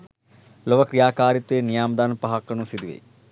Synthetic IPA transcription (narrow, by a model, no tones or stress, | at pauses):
loʋɐkɾijaːkaːɾit̪ʋeːnijaːmɐd̪aːnpɐɦakːɐnusid̪iʋḛ